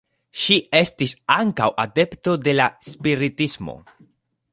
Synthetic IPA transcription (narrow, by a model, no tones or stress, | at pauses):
ʃie̞stisaŋkawʔade̞pto̞de̞laspiɾitismo̞̰